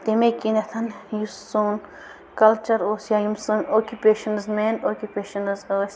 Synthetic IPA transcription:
t̪emekinɐt̪ʰɐnjussoːn | kɐlt͡ʃɐɾoːsjajumsɨnoːkʲjupeːʃɐnzmeːnoːkʲupeːʃɐnɐzoːsʲ

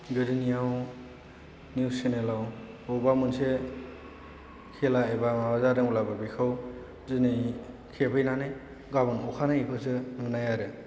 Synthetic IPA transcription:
ɡɯɾinijaw | niusenelaw | ɔbamunse | kʰelaebamawazaɾɯŋulababikʰɯw | zɯnij | kʰepʰɯjnanɯj | ɡabɯnɔkʰanajipʰɯsɯmɯnajaɾɯ

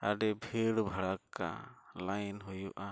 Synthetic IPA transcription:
aɖɛbʱiɽbʱaɽakːa̰lajnɦujuʔa

